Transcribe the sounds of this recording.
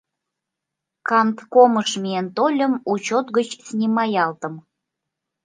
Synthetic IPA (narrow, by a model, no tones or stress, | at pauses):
kɑnt̪koməʃmʲient̪olʲəmut͡ɕot̪ɣət͡ɕsnʲimɑjɑlt̪ə̆m